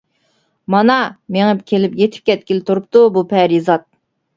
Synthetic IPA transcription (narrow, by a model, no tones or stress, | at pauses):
mɑnɑmeŋɪpkʲʰelɪpjet̪ʰɪ̥p̚kʲʰɛt̪̚kʲilɪt̪ʰuɾup̚t̪ubupʰɛɾizɑt̪̚